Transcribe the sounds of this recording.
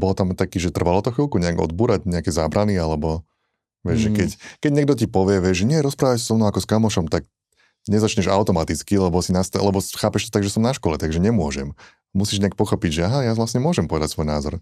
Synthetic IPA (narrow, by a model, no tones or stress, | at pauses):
bɔlt̪amt̪akiːʒɛt̪r̩ʋalɔt̪ɔxʋilˠkuɲɛaɡɔ̰d̪̚buːɾaɟɲɛakɛzaːbɾanialɛbɔ | ʋɛʒʒɛkɛckɛɟɲɛɡ̚d̪ɔcipɔʋɪɛʋɪɛʒʒɲɪɛɾɔspɾaːʋacssɔmnɔʊakɔskamɔʃɔmt̪aɡ | ɲɛzat͡ʃɲɛʒaʊt̪ɔmat̪it͡skilɛbɔsinast̪lɛbɔxaːpɛʃt̪ɔ̥t̪aɡʒɛsɔmnaʃkɔlɛt̪aɡʒɛɲɛmʊɔʒɛm | musiːʒɲɛak̚pɔxɔpiɟʒɛaɦajaʋlasɲɛmʊɔʒɛmpɔʋɛd̪acʲsʋɔjnaːzɔɾ